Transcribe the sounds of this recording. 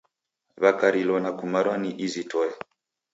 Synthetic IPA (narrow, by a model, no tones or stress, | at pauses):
βakaɾilɔnakumaɾwaniʔizitɔɛ